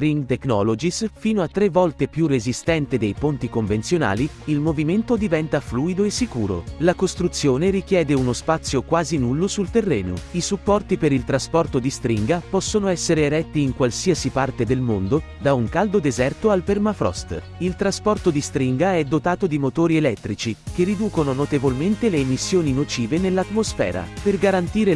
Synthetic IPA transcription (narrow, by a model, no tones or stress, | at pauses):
ɾiŋɡt̪eknɔlod͡ʒisfiːnoat̪ːɾevːɔlt̪epjurːezist̪ɛnt̪ed̪ejpont̪ikoɱvensjona̰ːli | ilmoviment̪od̪ivɛnt̪afluːid̪oesːikṵːɾo̰lakost̪ɾut̪sːjoːneɾik̟jɛːd̪eunospat̪sːjokwaːzinulːosult̪erːɛːno̰isupːɔrt̪ipeɾilt̪ɾaspɔrt̪od̪ist̪ɾiŋɡapɔsːonoɛsːeɾeːɾɛt̪ːiːŋkwalsiasipart̪ed̪elmond̪o | d̪auŋkald̪od̪ezɛrt̪oalpermafɾɔ̰st̪ | ilt̪ɾaspɔrt̪od̪ist̪ɾiŋɡaɛd̪ːot̪aːt̪od̪imot̪oːɾielɛt̪ːɾit͡ʃikerːid̪uːkononot̪evolment̪eleːmisːjoːninot͡ʃiːvenelːat̪ːmosfɛ̰ːɾa̰perɡaɾant̪iːɾe